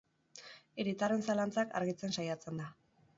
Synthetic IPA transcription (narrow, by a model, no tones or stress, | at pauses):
eɾit̪are̞nsalant͡saka̰ɾɣit͡se̞nsajat͡se̞nd̪a